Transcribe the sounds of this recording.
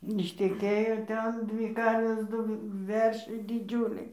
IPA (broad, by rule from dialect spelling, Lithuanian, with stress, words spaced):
ɪʃʲtʲɛˈkʲeːjoː ˈtʲɛn ˈdʲʋʲiː ˈkɐrʲʋʲeːs ˈdʊ ˈʋʲɛrʲʃʲɛɪ dʲɪˈd͡ʒʲuːlʲɛɪ